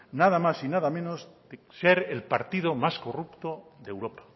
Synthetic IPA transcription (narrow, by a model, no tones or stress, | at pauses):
naðamasinaðamẽnozdeseɾelpaɾt̪ið̞omaskorupt̪oðewɾopḁ